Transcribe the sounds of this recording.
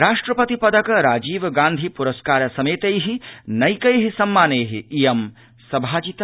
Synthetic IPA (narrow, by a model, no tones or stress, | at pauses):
ɾaːʂʈɾɐpɐt̪ipɐd̪ɐkɾaːd͡ʒiːʋɡãːnd̪ʱipuɾɐskaːɾɐsɐmeːt̪ejɦinɐjkɐjɦisɐmːaːneːɦiijɐm | sɐbʱaːd͡ʒit̪